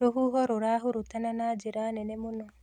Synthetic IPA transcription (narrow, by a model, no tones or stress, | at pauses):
ɾoɦuɦɔɾoɾaɦuɾut̪ananaːd͡ʒeɾanɛnemonɔ